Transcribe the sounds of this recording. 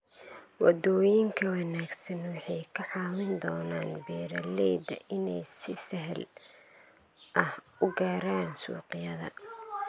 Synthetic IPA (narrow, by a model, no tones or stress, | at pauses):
wɑ̰d̪ɔːjɪŋkʰɐwɑnaːɡsɐnwɑħɑjkʰɐʕɑːwɪnd̪ɔːnaːnbɛːɾɐlɛːd̪ɐ̰ʔɪnɛjsɪsɐɦl | ʔɐh | ʊɡaːɾaːnsṵːqɪjɐðɐ̰